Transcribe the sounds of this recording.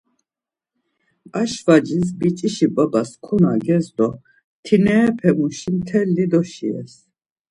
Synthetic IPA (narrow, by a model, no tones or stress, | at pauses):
aʃvad͡ʒis̬bit͡ʃʼiʃipʼabaskʰunaɡɛzd̪ɔ | t̪ʰinɛːpʰɛmuʃimt̪ʰɛlːid̪ɔʃiɛ̰s